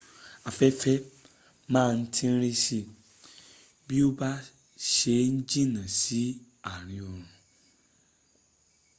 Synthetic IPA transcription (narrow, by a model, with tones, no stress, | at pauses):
a˨fɛ˦fɛ˦ | mãː˦˨n̩˦tʰĩ˦n̩˦ɾi˦si˦ | bi˦o˦ba˦ | ʃe˨˦n̩˦d͡ʒĩ˦nã˨si˨˦ | a˨ɾ̃ĩ˨o˨ɾ̃ũ˨